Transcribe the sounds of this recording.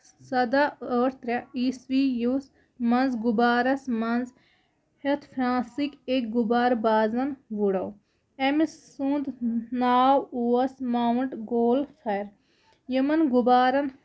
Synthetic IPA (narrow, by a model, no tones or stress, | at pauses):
sɐd̪aoːɾt̪ɾaiːsʋijus | mɐnzɡʊbaːɾɐsmɐnz | het̪ʰpʰɾãːsikek̚ɡubaːɾbaːzɐnʋuɽɐw | emisːũnd̪naːwuːɐsmaːɳʈɡoːlxʰɐɾ | jəmɐnɡubaːɾɐn